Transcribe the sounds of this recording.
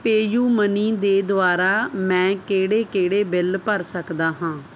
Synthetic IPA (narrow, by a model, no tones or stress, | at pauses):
peːjuːmənĩːd̪eːd̪ʊaːɾaːmɛ̃ːkeːɽeːkeːɽeːbɪlpəɾsəkd̪aːɦãː